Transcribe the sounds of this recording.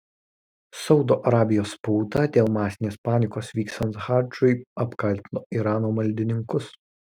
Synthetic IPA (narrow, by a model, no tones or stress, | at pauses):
sɒʊd̪oːʔɐɾɑːbʲɪjoːspuːt̪ɐd̪ʲeːlˠmɑːsʲɪnʲeːspɑːnʲɪkoːsʋʲiːksɐnxɑːd͡ʒʊɪɐpkɐlʲt̪ʲɪnoːʔiɾɑːnoːmɐlʲd̪ʲɪnʲɪŋkʊs